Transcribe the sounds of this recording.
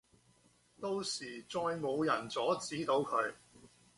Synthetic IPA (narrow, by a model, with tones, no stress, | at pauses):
t̪o˧wsiː˨˩t͡sɔː˧jmo˨˧wjɐ˨˩nt͡sɔː˨˥t͡siː˨˥t̪o˨˧wkʰɵ˨˧ɥ